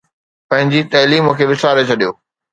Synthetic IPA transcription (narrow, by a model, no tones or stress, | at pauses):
pɐ̃ɦɪ̃ɲd͡ʑit̪ɐːliːmʊkʰeːʋɪsaːɾet͡ɕʰɐɗijoː